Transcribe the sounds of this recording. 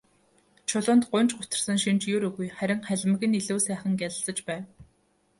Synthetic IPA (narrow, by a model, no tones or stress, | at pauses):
t͡ɕʰʊɮʊ̆ːnt̪ɢʊnt͡ɕɢʊt̪ə̆rsə̆ŋʃint͡ɕjʊɾɵɣujχæɾʲɪ̆ŋχæɮ̆ʲmɘ̆ɣɘ̆niɮuːsæːχə̆ŋɡæɮə̆ɬɮt͡sə̆t͡ɕpæːw